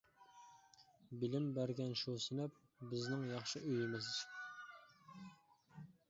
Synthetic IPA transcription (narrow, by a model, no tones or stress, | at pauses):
bɪlɪmbæɾɡʲɛnʃusɪnæp̚ | bɪznɪŋjɑχʃɨʔøjɪmɪzt͡ʃʰ